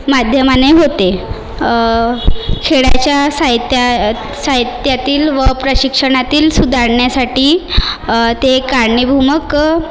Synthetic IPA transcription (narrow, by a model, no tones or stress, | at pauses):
mad̪ʱjəmaneɦot̪e | kʰeɭa̰t͡ɕjasaɦit̪ja | saɦit̪jat̪iːlʋəpɾəɕikʂəɽ̃at̪iːlsud̪ʱaɾɳjasaʈiː | t̪ekaɾɳibʱumək